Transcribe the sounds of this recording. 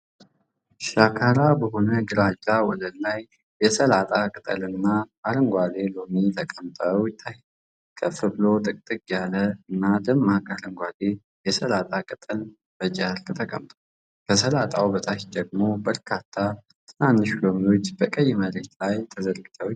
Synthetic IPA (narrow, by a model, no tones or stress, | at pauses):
ʃakʰaɾabəɦo̞nəɡɨɾad͡ʒawɔd̪ənlajː | ɛsəlat̪ʼakʼɨt̪ʼə̰lɨnːaaɾɨŋɡʷale̞lomit̪ʰəkʼəmt̪ʼəwt̪ʰːaj | kʰəfɨblo̞t̪ʼɨkʼt̪ʼɨkʼjaləɨnːad̪ɨmːakʼalɨŋɡʷale | jɛsəlat̪ʼakʼɨt̪ʼɨl | b̥əd͡ʒʼalkʼt̪ʰəkʼə̰mt̪ʼəw | kʰəsəlat̪ʼawbət̪ʰahd̪əɡmo̞bəɾkʰat̪ʰːa | t̪ʰɨnanːɨʃlomijo̞t͡ʃːbəkʼəjːməɾeht̪lajt̪ʰəzəɾɡɨt̪ʰəw